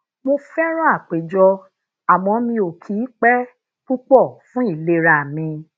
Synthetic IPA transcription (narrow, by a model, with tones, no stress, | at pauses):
mo˧fɛ˦ɾ̃ɔ̃˦a˦˨k͡pe˨d͡ʒɔ˧ | a˨mɔ̃˧˦mĩ˧o˨kʰi˨˦k͡pɛ˦ | ku˦k͡pɔ˦˨fũ˦i˦˨le˧˦ɾa˨mĩ˧